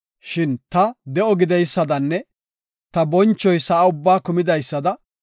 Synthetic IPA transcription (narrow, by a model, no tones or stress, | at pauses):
ʃɪnt̪ɐd̪ɛʔɔɡɪd̪ɛjsːɐd̪ɐnːɛ | t̪ɐbɔnt͡ʃːɔjsɐʔaʊbːaːkʊmɪd̪ɐjsːɐd̪ɐ